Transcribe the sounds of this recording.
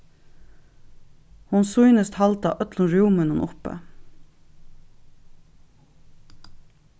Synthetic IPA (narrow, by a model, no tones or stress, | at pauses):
hʊnsʊʏnəst̪hɑlt̪ɑ̰ːʔœt̪lənɾuːmənənʔʊpə̰